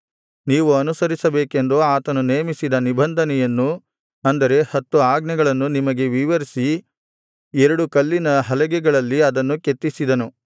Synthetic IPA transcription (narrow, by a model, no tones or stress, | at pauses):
niːʋuɐnusɐɾisɐbeːke̞nd̪oaːt̪ɐnuneːmisid̪ɐnibɐnd̪ʱɐnɛjɐnːu | ɐnd̪ɐɾe̞hɐt̪ːuaːɡnɐɡɐɭɐnːunimɐɡe̞ʋiʋɐɾisi | ɛɾɐɽukɐlːinɐɦɐlɐɡɛɡɐɭɐlːiɐd̪ɐnːuket̪ːisid̪ɐnu